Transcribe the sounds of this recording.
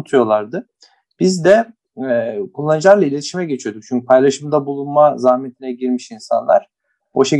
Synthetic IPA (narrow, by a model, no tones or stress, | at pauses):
t̪ʰujo̞lˠaɾd̪ɯ | b̥izd̪ɛ | kʰulˠːanɯd͡ʒɯlˠaɾlˠailʲe̞t̪ʰiʃimɛɟe̞t͡ʃʰijo̞d̪uk̚t͡ʃʰyɲcʰypʰajlˠaʃɯmd̪abulˠunmazahme̞t̪ʰinɛɟiɾmiʃinsa̰nlˠa̰ɾ̥ | oʃe